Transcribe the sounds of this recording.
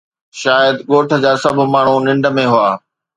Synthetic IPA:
ʃaːjəd̪ɠoːʈʰə̆d͡ʑaːsɐb̆ʱmaːɳ̤unɪ̃ɳɖə̆mẽɦuaː

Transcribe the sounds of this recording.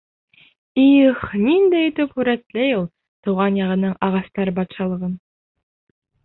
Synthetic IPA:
iχnind̪æj̆t̪ɵphʉɾæt̪læjulˠ | t̪ŭwʁɑnjɑʁɤ̆nɤɴɑʁɑst̪ɑɾɤbɑt̪ʃɑlˠɤ̆ʁɤn

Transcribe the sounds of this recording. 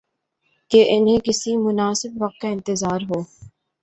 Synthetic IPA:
keʔɪnɦẽkɪsimʊnaːsɪbʋɐq̚t̪̚kaɪ̃nt̪ɪzaːɾɦoː

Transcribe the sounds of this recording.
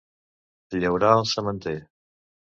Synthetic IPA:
ʎəwɾaəlˠsəmənt̪e

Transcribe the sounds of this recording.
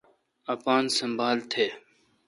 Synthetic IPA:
ɐpaːnsəmbʱaːlt̪ʰeː

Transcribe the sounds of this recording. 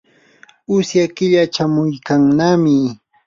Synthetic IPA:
ʊsjakɪʎat͡ʃamʊjkaŋnamɪ

